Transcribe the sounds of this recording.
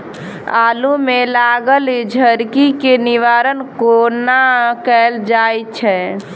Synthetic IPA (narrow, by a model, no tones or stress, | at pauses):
a̰lumelaɡəlid͡ʒʱəɾkikeniʋaɾənkonakɛld͡ʒajt͡ʃʰɛ